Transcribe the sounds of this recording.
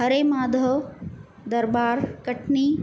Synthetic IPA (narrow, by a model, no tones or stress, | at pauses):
ɦɐɾemaːd̪ʱə | d̪ɐɾbaːɾkɐʈniː